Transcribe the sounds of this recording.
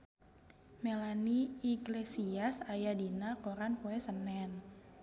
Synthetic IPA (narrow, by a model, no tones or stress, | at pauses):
melaniiɡlesiasajadinakoɾanpoɛsənɛn